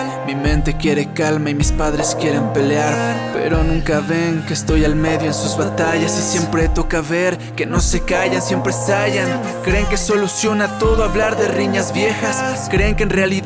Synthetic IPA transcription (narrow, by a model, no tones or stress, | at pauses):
mimẽnt̪e̞kje̞ɾekalmaimispaðɾeskje̞ɾempeleaɾpḛɾonũŋkaβeŋkeːst̪o̞jalme̞ðjoensuzβat̪aʝasisje̞mpɾet̪o̞kaβeɾ | keno̞sekaʝansje̞mpɾesaʝaŋ | kɾeŋkeso̞lusjo̞nat̪o̞ðoaβlaɾðeriɲazβje̞xaskɾeːŋkeːnreali